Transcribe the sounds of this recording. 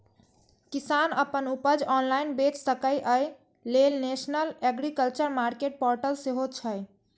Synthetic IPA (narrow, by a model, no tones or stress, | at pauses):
kisanəpənupəd͡ʒɔnlainbet͡ʃsəkəjʔəj | lelnesnəleɡɾikəlt͡ʃəɾmaɾkeʈ̚pɔɾʈəlseɦot͡ʃʰəj